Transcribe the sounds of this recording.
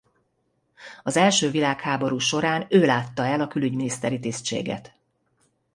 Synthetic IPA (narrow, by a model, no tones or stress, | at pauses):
ɒzɛlʃøːvilaːkhaːbo̞ɾuːʃo̞ɾaːnøːlaːt̪ːɒɛlɒkylyɟminist̪ɛɾit̪iːst͡ʃḛːɡɛ̰t̪